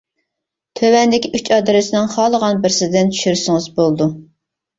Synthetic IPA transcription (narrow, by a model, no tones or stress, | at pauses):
t̪ʰøwɛnd̪ɪkʲʰiʔyt͡ʃʰɑd̪ɨɾɪsɪnɪŋχɑːlˠəʁɑnbɪɾsɪd̪ɪnt͡ʃʰy̥ʃyɾsɪŋɨzbolˠd̪u